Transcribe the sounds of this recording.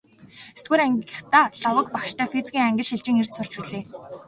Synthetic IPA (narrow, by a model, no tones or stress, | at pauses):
est̪̚ɡuːɾæŋɡʲə̆χt̪aːɮɔwə̆k̚pakʃt̪ʰæːfet͡sɡʲiːŋæŋɡʲɪ̆ɮʃiɮt͡ɕɪ̆ŋer̥t̪sʊr̥t͡ɕpuɮeː